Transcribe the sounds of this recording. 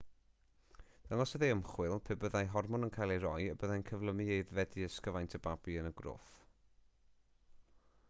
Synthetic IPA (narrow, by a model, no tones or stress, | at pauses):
ð̥əŋɔsəðeəmχwɪlˠpʰɪbəðajɦɔrmɔnənkʰajlˠerɔjəbəðajnkʰəvlˠəmiejðvɛdiəskəvajntʰəbabiənəɡro̰ːθ